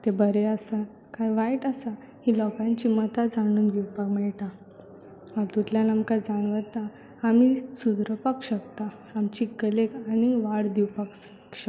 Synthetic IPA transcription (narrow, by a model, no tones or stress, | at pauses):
t̪ebəɾeəsa | kajʋajʈəsa | hilɔkãɲt͡ɕimət̪ad͡zaɽ̃uːnɡʱewpakmɛɭʈa | aɾt̪ut̪ljanamkad͡zaɳ̃ʋət̪a | amisud̪ɾəpakɕək̚t̪a | amt͡ɕikəlekaniʋaɽd̪iwpaks | kɕək